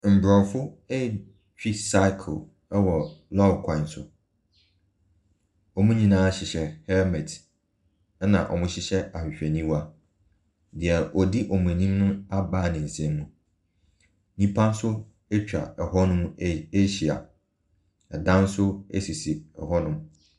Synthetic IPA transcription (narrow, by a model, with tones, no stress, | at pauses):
m̩˨bɾɔ˨fʊ˦ɛ˦˨ | t͡ɕᶣi˦sa˦ɪ˦kʰ | ɛ˦wɔ˨lɔ˦kʰã˨n˦sʊ̰˨ | ɔ˨mũ˦ɲĩ˨nãː˦ɕɪ˨ɕɛ˨hɛ˦mɛ˨t | nã̰˨ʔɔ̰˨mʊ̃˦ɕɪ˦ɕɛ˦a˨ɕᶣɪ˨ɕᶣɛ˨nĩ˦wa˦ | dɪ˨ɛ˨ɾʔɔ˨di˦ʔɔ˨mũ˨æ˨nĩ˦m˦nʊ̃˦a˦baː˦˨nɪ̃˨n̩˨sɛ̃˦mːũ˦ | nĩ˦pʰã˦n̩˦sʊ˦ | ɛ˦t͡ɕᶣa̰˨ɛ˨hɔ˦nʊ̃˦me˦ɕi˨a̰˨ | ɛ˨dã˦n˦sʊ˦ḛ˦si˨si˨ɛ̰˨hɔ˦nʊ̃˦m